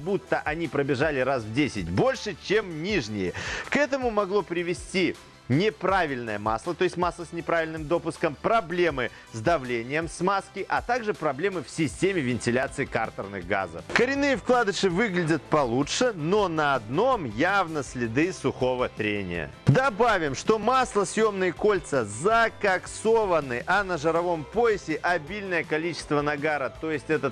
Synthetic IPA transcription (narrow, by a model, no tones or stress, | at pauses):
but̪ːəʔɐnʲipɾəbʲɪʐalʲɪɾasvdʲesʲɪtʲbo̞lʲʂɨt͡ɕe̞mnʲiʐnʲɪjɪkɛt̪əmʊmɐɡlˠo̞pɾʲɪvʲɪsʲtʲi | nʲɪpɾavʲɪlʲnəjəma̰slˠət̪o̞jɪsʲtʲmaslˠəsʲnʲɪpɾavʲɪlʲnɨmd̪o̞pʊskəmpɾɐblʲe̞mɨ | zd̪ɐvlʲenʲɪjəmsmaskʲɪʔɐt̪aɡʐɨpɾɐblʲe̞mɨfsʲɪsʲtʲemʲɪvʲɪnʲtʲɪlʲat̪sɨɪkart̪ərnɨɣɡa̰zə̰fkəɾʲɪnːɨjəfklˠad̪ɨʂɨvɨɡlʲɪdʲət̪̚pɐlˠutʂɨno̞nɐɐd̪no̞mjavnəsʲlʲɪd̪ɨsʊxo̞vət̪ɾʲenʲɪ̰ə̰d̪ɐbavʲɪmʂt̪o̞maslˠəsʲjo̞mnɨjəko̞lʲt̪səzɐkɐkso̞vənːɨʔɐnəʐɨɾɐvo̞mpojɪsʲɪʔɐbʲilʲnəjəkɐlʲit͡ɕɪ̥st̪vənɐɡaɾət̪o̞jɪsʲtʲɛt̪ət̪